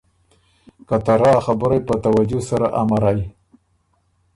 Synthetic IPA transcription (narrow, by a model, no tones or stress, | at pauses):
kat̪aɾaxabəɾajpət̪awad͡ʒʊsaɾaʔamaɾaj